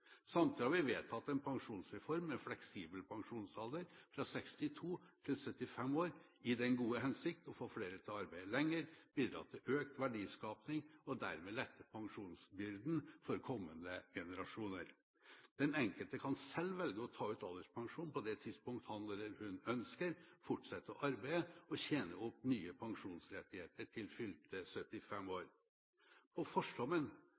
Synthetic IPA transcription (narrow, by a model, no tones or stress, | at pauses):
sɑmt̪ʰɪhɑɾʋɪʋeːt̪ʰɑt̪ːɛnpʰɑŋʂuːnsɾɛfɔɾmɛflɛksiːbəlpʰɑŋʂuːnsɑld̪əɾfɾɑsɛkst̪ɪt̪ʰuːt̪ʰɪlsœt̪ːɪfɛmoːɾɪd̪ɛnɡuːəɦɛnsɪk̚t̪ɔfoːfleːɾət̪ʰɪɑɾbæɪəlɛŋːəɾb̥iːd̪ɾɑ̰ːt̪ʰɪlʔøːkt̪ʋæɖiːskɑːpnɪŋɔd̪æ̰ɾmɛːlɛt̪ʰːəpʰɑŋʂuːnsbʏɾd̪n̩fɔɾkʰɔmːənd̪əɡɛnəɾɑʂuːnəɾ | d̪̥ɛnɛŋkəlt̪əkʰɑnsɛlːʋɛlɡəɔt̪ʰɑːʉːt̪ɑlːəʂpʰɑŋʂuːnpʰɔd̪ɛt̪ʰɪd̪spʊŋk̚t̪hɑnd̪ələɾhʉnœnskəɾfʊʈsɛt̪ːəɔʔɑɾbæɪəɔçeːnəʊpnyːəpʰɑŋʂuːnsɾɛt̪ːɪheːt̪əʈʰɪlfʏltt̪əsœt̪ɪfɛmoːɾ | pʰɔfɔʂɖɔmən